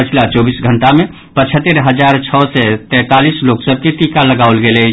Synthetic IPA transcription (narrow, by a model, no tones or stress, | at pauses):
pət͡ʃʰlat͡ʃɔːbisɡʱənʈamẽ | pət͡ʃʰət̪ːəɾɦəd͡ʒaɾt͡ʃʰɔsɛt̪ɛ̃ːt̪alisloːksəb̚kit̪ikaləɡaolɡele